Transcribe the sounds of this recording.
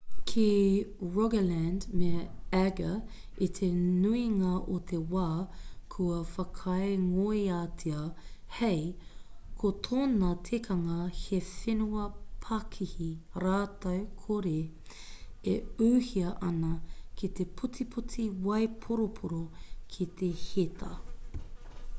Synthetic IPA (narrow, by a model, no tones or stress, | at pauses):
kʰiɹɔɡəlændmeɛɡɐ | it̪ʰenuiŋɐʔot̪ʰewaːkʰuɐfɐkʰɐeŋoiaːtʰiɐhejkʰotʰoːnɐtʰekʰɐŋɐhefenuɐpʰɐkʰihiɾaːtɐwkʰoɾe | euːhiɐʔɐnɐkʰit̪epʰutipʰut͡siwɐjpʰoɾopʰoɾokʰit̪ʰehet̪ʰɐ